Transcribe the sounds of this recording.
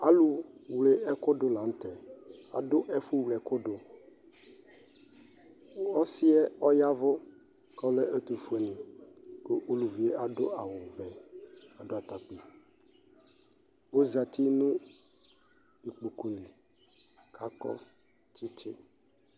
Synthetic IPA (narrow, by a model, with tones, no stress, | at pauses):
a˨lʊ˨wle˨ʔɛ˦kʊ˦dʊ˨la˨n̩˦t̪ɛ˨a̰˨dʊ˦ʔɛ˦fʊ˦wlɛ˨kʊ˦dʊ˨˦ | ɔ˦sɪ˦ɛ˦ɔ˦ja˦vʊ˦ | kɔ˦lɛ˦ʔe˦t̪u˨fu˨˦e˨˦nĩ˨ko˦ʔo˦lu˨vi˨e˦a˨dʊ̰˦ʔa˨wʊ˨vɛ˨a˨do˦a˨t̪a˨k͡pi˨ | o˦za˨t̪ʰi˦nʊ̃˦ | i˨k͡pu˨ku˨li˨ | kʰa˦kɔ̰˦ | t͡ʃɪ˦t͡ʃɪ˦